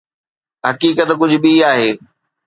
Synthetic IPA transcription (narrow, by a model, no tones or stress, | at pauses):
ɦɐkiːkət̪kʊd͡ʑʱʊbiaːɦeː